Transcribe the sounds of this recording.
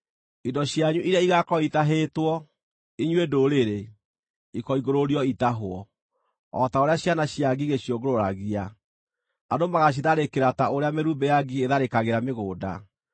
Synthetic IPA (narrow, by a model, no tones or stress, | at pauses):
idɔɕjaɲuʔiɾjaiɣakɔitaɦetwɔ | iɲwedoɾeɾe | ikɔiɣoɾoɾiɔitaɦwɔ | ɔ̰taoɾeaɕjanaɕjaɡiɣeɕjoɡoɾoɾaɣia | adomaɣaɕ̬iðaɾekeɾataoɾeameɾuːmbejaɡieðaɾekaɣeɾameɣoːda̰